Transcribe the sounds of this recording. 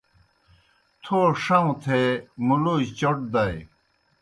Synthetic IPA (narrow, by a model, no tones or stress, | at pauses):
t̪ʰoʂɐŋt̪ʰemulud͡ʑt͡ɕoʈ̚d̪ɐj